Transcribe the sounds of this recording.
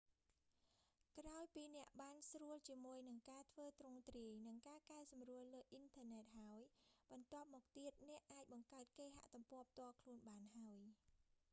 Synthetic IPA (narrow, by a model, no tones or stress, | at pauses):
kraɔjpiːnɛ̆əʔɓaːnsruəlt͡ɕiəmuəjnɨŋkaːt̪ʰʋəːt̪rʊŋt̪riəjnɨŋkaːkaɛsɑmruəlːəːʔint̪ʰəːnɛːt̪̚haɔjɓɑnt̪ŏəp̚mɔːk̚t̪iət̪̚nɛ̆əʔːaːc̚ɓɑŋkaət̪̚keːɦa̰ʔt̪umpŏəp̚ʰt̪ŏəkʰluənɓaːnɦaəj